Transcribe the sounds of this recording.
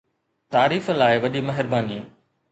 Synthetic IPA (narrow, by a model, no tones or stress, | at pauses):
t̪aːɾiːflaːɪʋɐʄimɐɦɪɾbaːniː